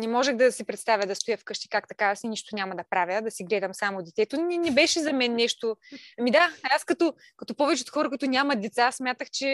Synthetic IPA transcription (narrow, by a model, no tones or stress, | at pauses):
nɛmɔʒɛxd̪ɐsipɾɛt̪st̪avʲjəd̪ɐst̪ojəfkɤʃt̪i̥kakt̪ɐkavɐsiniʃt̪onʲamɐd̪ɐpɾavʲjəd̪ɐsiɡlɛd̪ɐmsamod̪ɛt̪ɛt̪onɛnɛbɛʃɛzɐmɛnːɛʃt̪oɐmid̪aaskɐt̪o | kɐt̪opɔvɛt͡ʃɛot̪xɔɾɐkʊit̪onʲamɐt̪̚d̪ɛt̪sassmʲjat̪əxt͡ʃɛ